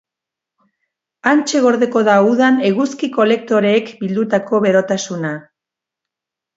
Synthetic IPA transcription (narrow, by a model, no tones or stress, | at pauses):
ant͡ʃe̞ɣo̞ɾðe̞ko̞ðauðane̞ɣuskiko̞le̞k̚t̪o̞ɾeːkbild̪ut̪ako̞βe̞ɾo̞t̪asuna